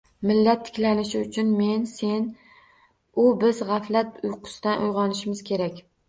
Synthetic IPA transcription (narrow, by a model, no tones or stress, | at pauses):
mɪlːat̪ʰːɪ̥kʲlanɪʃɪʊt͡ʃʰʊnme̞nse̞n | ʊbɪzʁɑflat̪ʊjqʰʊ̥sd̪anʔʊjʁɒnɪʃɪmɪz̥kʲʰe̞ɾakʲ